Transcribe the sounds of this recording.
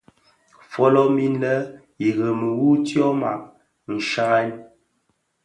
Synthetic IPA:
fɔ˦lɔ˦mi˦n˦lə˦ | i˨ɣə˨mə˨wu˦tjɔ˦ma̰˨ʔ̚ | n̩˨ʃa˦ɣa˦n

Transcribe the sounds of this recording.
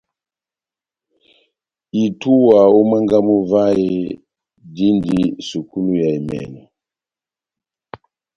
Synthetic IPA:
i˨tu˦wa˨o˦ma˦ŋɡa˦mu˦va˦i˦ | di˦ndi˦su˨ku˦lu˦ja˨i˨mɛ̰˨nɛ˨

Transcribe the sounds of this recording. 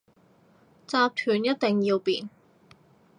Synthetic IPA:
t͡saː˧p̚t̪ʰyː˨˩njɐ˥t̚t̪e˨ŋjiː˧wpiː˨n

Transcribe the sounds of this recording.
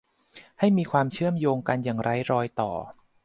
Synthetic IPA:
ha˥˩jmiː˧kʰwaː˧mt͡ɕʰɯ˥˩əmjoː˧ŋka˧njaː˨˩ŋɾa˦˥jɾɔː˧jt̪ɔ̰ː˨˩

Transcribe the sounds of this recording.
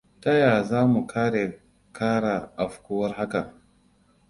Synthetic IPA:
tɐ˦jaː˨zaː˦mu˨kʰaː˦ɽe˨ | kaː˦ɽa˨ʔa˨ɸkʷuː˦wɐ˦rɦa˦ka˨

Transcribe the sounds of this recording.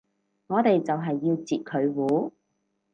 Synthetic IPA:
ŋɔː˨˧t̪e˨jt͡sɐ˨wɦɐ˨jːiː˧wt͡siː˨t̚kʰɵ˨˧ɥwuː˨˥

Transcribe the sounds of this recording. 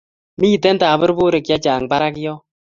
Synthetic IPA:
miː˦tɛ˦ntaː˨bɨ˦ɾbu˦ɾe˨kja˦t͡ʃaː˨ŋ˨ba˦ɾa˦kjɔ˦

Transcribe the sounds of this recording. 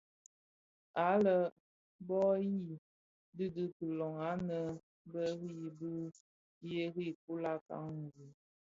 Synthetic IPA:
a˨˦lə˨ | bɔ˦ji˦˨ | dɨ˦dɨ˦kə˨lɔ˨ŋa˨˦nə˨ | bə˦ɾi˦˨bə˦ | je˦ɾi˦˨k̚u˦la˦ka̰˦ŋŋ˨ɡu˨˦

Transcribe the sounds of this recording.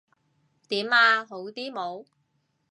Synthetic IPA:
t̪iː˨˥maː˧ɦo˨˥wt̪iː˥mo˨˧w

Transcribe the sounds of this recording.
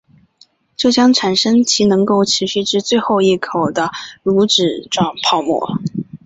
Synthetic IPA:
ʈ͡ʂɤ˥˩ɕjɑ˥ŋʈ͡ʂʰa˨˩nʂə˥ŋt͡ɕʰi˧˥nɤ˧˥ŋko˥˩ʊʈ͡ʂʰɻ̩˧˥ɕy˥˧ʈ͡ʂɻ̩˥˧t͡swe˥˧ɪxo˥˧ʊi˥˩kʰo˨˩ʊd̪ə˦lu˧˥ʈ͡ʂɻ̩˨˩ʈ͡ʂwɑ˥˩ŋpʰɑ˥˧ʊmwɔ̰˥˩

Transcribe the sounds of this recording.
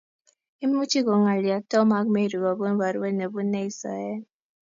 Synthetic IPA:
i˦mu˦t͡ʃi˦ɣɔ˨ŋa˨li˨a˨tɔ˦ma˦kme˦˨ɾu˨ɡɔ˨bo˦n˦ba˨ɾe˦ne˨bu˦ne˦i˨˦sa̰˨ɛ˦

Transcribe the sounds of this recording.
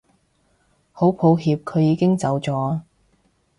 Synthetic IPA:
ho˨˥wpʰo˨˥wɦiː˧p̚kʰɵ˨˧ɥjiː˨˧kɪ˥ŋt͡sɐ˨˧wt͡sɔː˨˥

